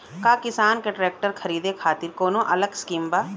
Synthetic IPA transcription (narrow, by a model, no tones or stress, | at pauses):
kaːkɪsaːnkeʈɾeːk̚ʈəɾkʰɐɾiːd̪ekʰaːt̪ɪɾkoːnõʔɐləɡskiːmbaː